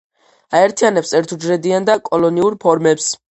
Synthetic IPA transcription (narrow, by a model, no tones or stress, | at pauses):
aɛɾt̪ʰianɛpsɛɾt̪ʰud͡ʒɾɛd̪iand̪akʼɔlɔniuɾpʰɔɾmɛps